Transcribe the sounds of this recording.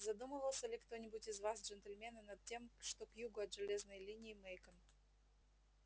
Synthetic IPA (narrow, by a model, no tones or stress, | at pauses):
zɐd̪uməvəlˠsʲəlʲɪkt̪o̞nʲɪbʊtʲɪzvasʐɛnt̪əlʲmʲe̞nənɐt̪̚tʲe̞mʂt̪okjuɡʊɐd̪ʐɨlʲeznəjlʲinʲɪːmejkəm